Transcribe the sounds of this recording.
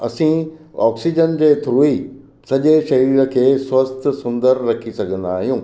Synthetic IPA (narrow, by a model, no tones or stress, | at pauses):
ɐ̰sĩɔːksid͡ʑənd͡ʑeːt̪ʰɾuːi | sɐʄeʃɐiɾ̆kʰeːswɐst̪sʊ̃nd̪əɾɾɐkʰisɐɡʱə̃nd̪aːɦijũː